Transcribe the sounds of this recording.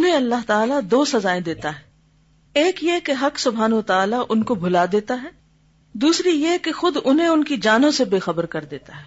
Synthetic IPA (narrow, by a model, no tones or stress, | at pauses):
ʊnɦẽɐlːaɦt̪aːlad̪oːsɐzaːẽd̪eːt̪aɦɛː | eːkjekeɦɐksʊbʱaːnʋət̪aːlaʔʊnkobʱʊlaːd̪eːt̪aɦɛː | d̪uːsɾijekexʊd̪ʊnɦẽʊnkid͡ʒaːnõsebeːxɐbəɾkɐɾd̪eːt̪aɦɛː